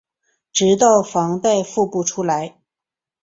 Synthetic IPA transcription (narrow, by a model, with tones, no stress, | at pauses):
ʈ͡ʂɻ̩˧˥t̪ɑ˥˩ʊfɑ˧˥ŋt̪a˥˧ɪfu˥˧pu˥˩ʈ͡ʂʰu˥la˧˥ɪ